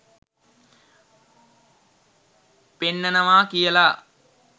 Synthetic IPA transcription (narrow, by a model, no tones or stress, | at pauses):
penːɐnɐʋaːkijɐlaː